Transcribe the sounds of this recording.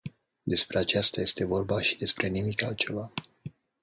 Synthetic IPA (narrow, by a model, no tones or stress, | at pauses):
d̪e̞spɾe̞at͡ʃast̪aje̞st̪e̞vo̞rbaʃid̪e̞spɾe̞nimikalt͡ʃe̞va